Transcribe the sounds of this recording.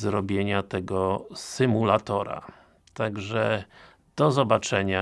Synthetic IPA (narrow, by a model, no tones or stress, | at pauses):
zɾɔbʲjeɲat̪ɛɡɔsɘmulat̪ɔɾa̰ | t̪aɡʐɛ | d̪̥ɔzɔbat͡ʂɛɲa